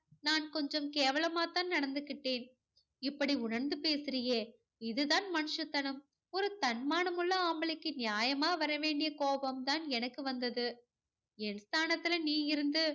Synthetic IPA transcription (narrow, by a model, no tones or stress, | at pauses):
naːnkɔɲd͡ʒɔmkeːʋɐɭɐmaːt̪aːnnɐɽɐnd̪ɯkːɪʈːeːn | ɪpːɐɽiʊɳɐɾnd̪ɯpeːsɪrɪje | ɪðɯðaːnmɐnɯʂɐt̪ːɐɳɯm | ɔɾɯt̪ɐɳmaːɳɯmɯɭːɐaːmɐɭɪkːɯnɪjaːjɐmaːʋɐɾɐʋeːɳɖɪjɐkoːbɐmt̪aːnɛnɐkːɯʋɐnd̪ɐðɯ | ɛnst̪ʰaːnɐt̪ːɪlɐniːɪɾɯnd̪ɯ